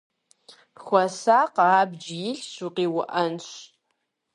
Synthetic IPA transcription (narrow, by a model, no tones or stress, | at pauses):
xʷɐsaqɑːbd͡ʒjɪɬʃuqiːwʊʔɐnɕ